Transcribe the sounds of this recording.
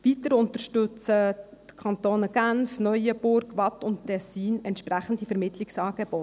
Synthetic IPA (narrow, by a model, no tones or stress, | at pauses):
vit̪əɾʊnt̪əɾʃtʏt͡sətkʰɑnt̪oːnəɡ̥ænfnœʏjəbʊɾɡ̥ʋɑtʊnttɛsiːnɛntʃpɾæχən̩difəɾmɪtlɪksɑːɡ̥ebɔ